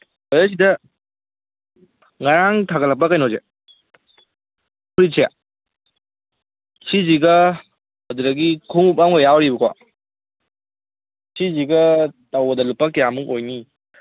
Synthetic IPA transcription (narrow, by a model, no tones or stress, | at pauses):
bajas̬idɐ | ŋaɾaŋtʰaɡɐlɐk̚pːɐkajnoze | pʰuɾisija̰ | siziɡɐ | ɐduɾɐɡikʰuŋup̚awŋɡɐjawɾibɐka̰ | siziɡɐtawbɐdɐlupːɐkijamuŋojni